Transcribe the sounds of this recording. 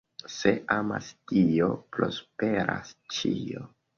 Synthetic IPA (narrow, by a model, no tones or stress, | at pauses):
se̞ama̰stio̞pɾo̞spe̞ɾast͡ʃio